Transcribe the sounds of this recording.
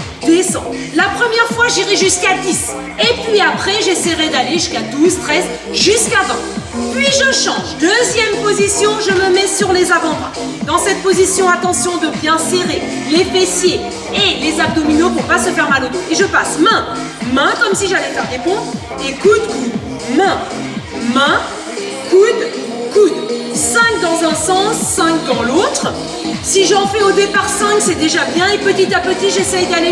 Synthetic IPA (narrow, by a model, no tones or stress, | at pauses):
d̪esɑ̃ | lapχəmjɛʁfwaʒiʁɛʒyskad̪is | epɥiapχɛʒeseʁed̪aleʒyskad̪uzt̪χɛz | ʒyskavɛ̃pɥiʒəʃɑ̃ʒd̪øzjɛmpozisjɔ̃ʒəməmɛsyʁlezavɑ̃b̪wɛ̃ | d̪ɑ̃sɛt̪̚pozisjɔ̃at̪ɑ̃sjɔ̃d̪əbjɛ̃seʁe | lefesje | elezab̚d̪ɔminop̬uʁpasəfɛʁmalot̪eʒəpasmɛ̃ | mɛ̃kɔmsiʒalɛfɛʁd̪epɔ̃d̪ | ekud̪ku | mɛ̃ | mɛ̃ | kud̪ | kud̪ | sɛ̃k̚d̪ɑ̃zɛ̃sɑ̃sːɛ̃k̚d̪ɑ̃lot̪χ | siʒəɑ̃fliod̪epaʁsɛ̃ksɛd̪eʒabjɛ̃epət̪it̪apət̪iʒesɛjd̪ale